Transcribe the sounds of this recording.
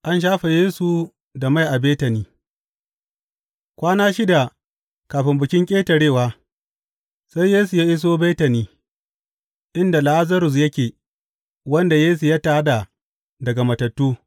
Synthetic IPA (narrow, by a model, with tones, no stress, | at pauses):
ʔa˦nʃ̬aː˦ɸe˨jeː˦su˨ | da˨ma˦jʔa˨beː˦tɐ˨niː˦ | kʷaː˦naː˦ʃi˦da˨ | kaː˨ɸɪ˦mbʊ˨kʲɪ˦ŋkʲʼeː˦tɐ˨ɽeː˦˨waː˦ | sa˦jjeː˦s̬u˨jaː˦ʔɪ˦s̬oː˦beː˦tɐ˨niː˦ | ʔɪ˦nda˨la˨ʔa˦zɐ˦ɾʊ˨s̬jɐ˦kʲeː˨ | wɐ˦nda˨jeː˦s̬u˨ja˦taː˦da˨ | dɐ˨ɡa˨mɐ˨tɐ˨tːuː˦